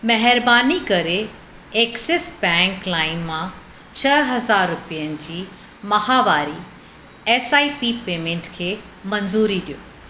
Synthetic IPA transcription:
mɐɦɪɾbaːnikɐɾe | eːksesbɛ̃ːŋklaːɪnmã | t͡ɕʰɐɦɐzaːɾːʊpijənɪ̆d͡ʑiː | mɐɦaʋaːɾi | eːsaːipipeːmẽːɳʈkʰeː | mɐnzuːɾiɗijoː

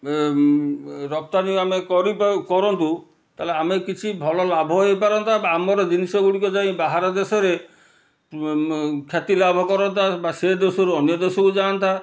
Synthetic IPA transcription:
ɾɔp̚t̪aniamekɔɾipkɔɾɔnt̪u | t̪aɦleamekit͡ʃʰibʱɔlɔlabʱɔɦojpaɾɔnt̪ʰaamɔɾɔd͡ʒinisɔɡuɽikɔd͡ʒaĩbaɦaɾɔd̪esɔɾe | kʰjat̪ilabʱɔkɔɾɔnt̪ʰabased̪esɔɾuɔnjɔd̪esɔkud͡ʒant̪ʰa

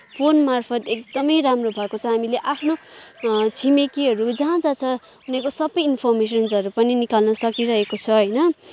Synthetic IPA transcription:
pʰonmarpʰʌt̪ek̚d̪ʌmʌjɾamrobʱʌekot͡sʰʌɦamileʔapʰno | t͡sʰimekiɦʌɾud͡zʌɦãd͡zat͡sʰʌ | ɦunekosʌbʌjinpʰʌrmes̬ʌnsʌɾupʌninikalnʌsʌkiɾʌɦekot͡sʰʌɦʌjnʌ

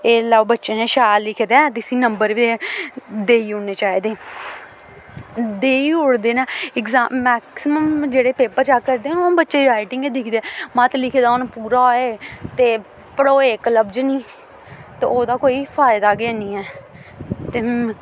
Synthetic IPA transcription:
eːlaːbətːʃeːneːʃaːjllɪkʰːd̪et̪ɪsĩːnəmbəɾʋi | d̪eːiːoneːt͡ʃaːiːd̪eː | d̪eːiːoɽd̪eːnɛːɪkzaːmɛːksɪməmd͡ʒeːɽeːpeːpəɾt͡ʃaːkəɾd̪eːnbətːʃeːɾaːɪʈɪŋɡed̪ɪkʰd̪eːmãːt̪lɪkʰeːd̪aːʊnpuːɾaːoeːt̪eː | pəɽoːeːkləbd͡ʒnĩː | t̪ḛːoːd̪aːkoːiːpʰaːɪd̪aːɡɪaːnĩːɛː | t̪eː

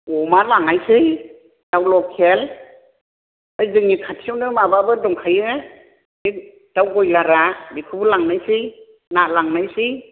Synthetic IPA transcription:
ɔmalaŋajsɯj | d̥awlɔkʰːel | ɯjzɯŋikʰatʰiwnɯmababɯdɔŋkʰajɯ | i | d̥awɡɔjlaɾabikʰɯbulaŋnajsɯj | nalaŋnajsij

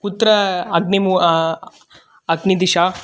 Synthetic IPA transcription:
kut̪ɾɐɐɡ̚nimu | ɐɡnid̪iʃaː

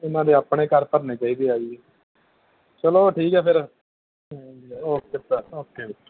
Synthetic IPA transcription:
ɪnãːd̪eːaːpɽeːkəɾpəɾneːt͡ʃaːiːd̪eːaːi | t͡ʃəloːʈʰiːkɛːpʰɪɾ | oːkɪt̪aoːkːeːbɪ

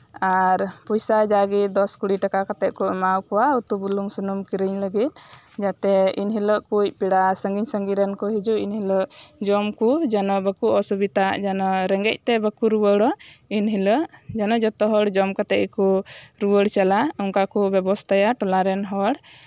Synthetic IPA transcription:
aɾpɔjsad͡ʒaɡid̪ɔskuɽiʈakakat̪ɛʔ̚kuʔmawkɔwaut̪ubuluŋsunumkiɾəɲləɡit̪̚ | d͡ʒat̪ɛinɦiləʔkuj̚piɽasəŋɡiɲsəŋɡiɾɛnkɔɦid͡ʒuinhiləʔd͡ʒɔmkud͡ʒanɔbəkuʔɔsubit̪aʔd͡ʒanɔɾɛŋɡɛc̚ˀt̪ɛbəkuɾuwəɽɔinɦiləʔd͡ʒanɔd͡ʒɔt̪ɔɦɔɽd͡ʒɔmkat̪ɛʔkuɾuwəɽt͡ʃalaɔŋkakɔbɛbɔst̪ʰajaʈɔlaɾɛnɦɔɽ

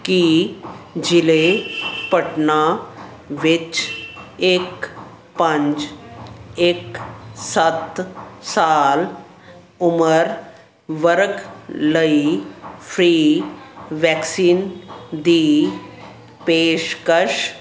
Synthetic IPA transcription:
ki | d͡ʒɪlepəʈna | ʋɪt͡ʃ | eːk | pə̃ɲd͡ʒ | eːksət̪saːl | ʊməɾ | ʋəɾkləifʰɾiː | ʋɛːksiːnd̪iː | peːʃkəʃ

